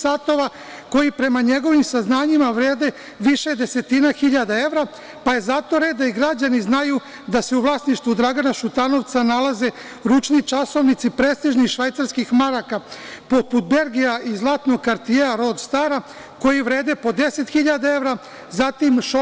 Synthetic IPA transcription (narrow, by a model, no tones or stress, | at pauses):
saːt̪o̞ʋa | ko̞jipɾe̞maɲe̞ɡo̞ʋimsaznaːɲimaʋɾeːd̪e̞ | ʋiʃe̞d̪e̞se̞t̪inaxiʎad̪ae̞ʋɾa | paje̞zat̪o̞ɾed̪aiɡɾad͡ʑaniznaju | d̪ase̞uʋlˠaːsniʃt̪ʋud̪ɾaɡanaʃut̪ano̞ʋt̪sanalaze̞ | ɾut͡ʃnit͡ʃaso̞ʋnit̪sipɾe̞ːst̪iʒnixʃʋajt̪saɾskixmaɾakapo̞put̪̚be̞lɡijaʔizlˠaːt̪no̞ɡ̚kaɾt̪ijeaɾo̞d̪st̪aɾa | ko̞jiʋɾe̞ːd̪epo̞d̪e̞se̞t̪xiʎad̪ae̞ʋɾa | zat̪imʃo